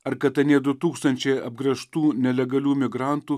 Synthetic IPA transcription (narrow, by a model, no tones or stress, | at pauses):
ɐɾkɐt̪ɐnʲiɛd̪ʊt̪uːkst̪ɐnʲt͡ʃʲɛɪɐb̚ɡɾɐʃt̪uːnʲɛlʲɛɡɐlʲuːmʲɪɡɾɑˑnt̪uː